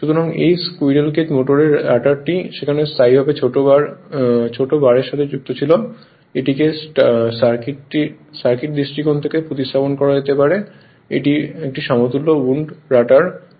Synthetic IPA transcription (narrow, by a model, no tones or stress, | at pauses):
ʃut̪ʰoɾaŋḛjskujɖelked͡ʑmoʈoɾeɾːaʈaɾʈiʃekʰanest̪ʰaijbʱabet͡ɕʰoʈoaɾt͡ɕʰoʈobaɾeɾʃat̪ʰed͡ʑuk̚t̪ot͡ɕʰilo | eʈikessaɾkiʈʈi | saɾkiʈ̚d̪isʈɾikont̪ʰekepɾot̪ist̪ʰaponkɔɾad͡ʑet̪epaɾe | ḛʈiek̚ʈiʃɔmot̪ulːouɳɖɾaʈaɾ